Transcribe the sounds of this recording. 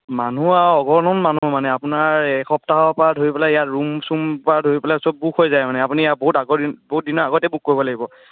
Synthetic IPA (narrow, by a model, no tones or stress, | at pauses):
manuaɔɡɔɹnɔnmanumanɛapunaɹxɔp̚taɦɔpadʱoɹipɛlaijatɹumsumpadʱoɹipɛlasob̚bukʰɦojzajmanɛapunijaboɦutaɡɔboɦut̚dinɔɹaɡɔtɛbuk̚koɹibɔlaɡibɔ